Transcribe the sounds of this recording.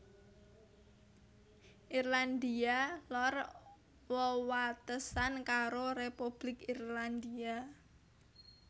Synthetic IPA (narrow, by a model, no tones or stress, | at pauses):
ʔirland̪ialɔr | wəwat̪əsankaɾorepub̥lɪkirland̪ia